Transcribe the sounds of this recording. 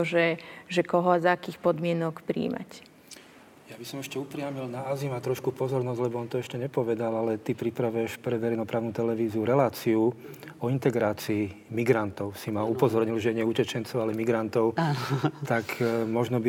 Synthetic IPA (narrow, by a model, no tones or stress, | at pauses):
ʒɛʒɛkɔɦɔazaakiːxpɔd̪mɪɛnɔkpɾḭːma̰c | jabisɔmɛʃcɛupɾɪamilnaːzimat̪ɾɔʃkupɔzɔɾnɔzɟlɛbɔɔnt̪ɔɛʃcɛɲɛpɔʋɛd̪alalɛt̪ipɾipɾaʋɛʃpɾɛʋɛɾɛjnɔpɾaːʊnut̪ɛlɛʋiːziuɾɛlaːt͡siuɔint̪ɛɡɾaːt͡siː | miɡɾant̪ɔʊsimaupɔzɔɾɲilʒɛɲɛucɛt͡ʃɛnt͡sɔʊalɛmiɡɾant̪ɔʊt̪akmɔʒnɔbi